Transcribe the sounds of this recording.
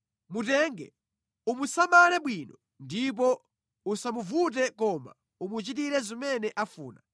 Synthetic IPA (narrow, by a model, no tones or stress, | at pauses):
mutɛŋɡɛ̰ | umusamalɛɓwiːnɔ | ndip̬ɔ | usamuvut̬ɛkɔma̰ | umut͡ʃit̬iɾɛzimɛnɛʔafuːna̰